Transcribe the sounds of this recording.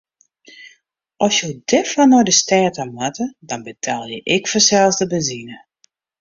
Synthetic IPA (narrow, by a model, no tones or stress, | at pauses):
ʔɔsjodɛfɔnɔjdəstɛːtamatədɔnbətʰaːlˠjəʔɪkfɔsɛlˠzdəbəzinə